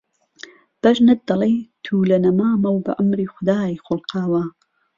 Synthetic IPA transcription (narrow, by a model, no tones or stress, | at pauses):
b̥ɐʒnɨt̪̚d̪ɐlejt̪ʰuːlɐnɐmaːmɐwbɐ̰ʔamɾiːxʊd̪aːjjxolqʰɑːwa